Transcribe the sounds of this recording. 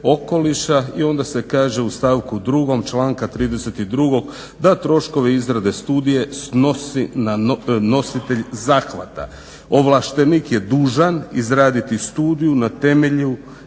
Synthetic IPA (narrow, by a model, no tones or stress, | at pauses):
o̞ko̞liʃaio̞nd̪ase̞kaːʒe̞ust̪aːʋkud̪ɾuɡo̞mt͡ʃlaːŋkat̪ɾiːd̪e̞se̞t̪id̪ɾuɡo̞ɡ | d̪at̪ɾo̞ʃko̞ʋeizɾad̪e̞st̪uːd̪ije̞sno̞sinano̞sit̪e̞ʎzaːxʋa̰t̪a̰ | o̞ʋlˠaʃt̪enikje̞d̪uːʒanizɾaːd̪it̪ist̪uːd̪ijunat̪e̞me̞ʎu